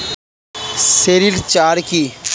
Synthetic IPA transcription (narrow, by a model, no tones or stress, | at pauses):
seɾilt͡ʃaːɾki